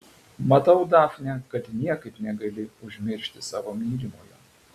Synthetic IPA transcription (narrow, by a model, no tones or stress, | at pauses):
mɐt̪ɐʊd̪ɑːfʲnʲɛkɐt̪nʲiɛkɐɪpnʲɛɡɐlʲɪʊʒʲmʲɪɾʲʃʲt̪ʲɪsɑːʋoːmʲiːɾʲɪmoːjɛ